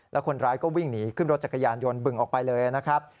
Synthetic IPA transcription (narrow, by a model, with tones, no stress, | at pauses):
lɛ˦˥wkʰo˧nɾaː˦˥jkɔː˥˩wi˥˩ŋniː˦˥kʰɯ˥˩nɾo˦˥t̪̚t͡ɕa˨˩kːa˧jaː˧njo˧nbɯ˨˩ŋʔɔː˨˩k̚pa˧jlɤː˧ja˩na˦˥kʰɾa˦˥p̚